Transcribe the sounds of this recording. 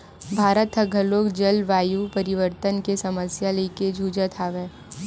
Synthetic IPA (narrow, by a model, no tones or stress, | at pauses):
bʱaːɾət̪ɦəɡʱɐloːkd͡ʒɐlʋaːjupəɾɪʋəɾt̪ənkesɐməsjaleːked͡ʒʱuːd͡ʒət̪ʰaːʋeː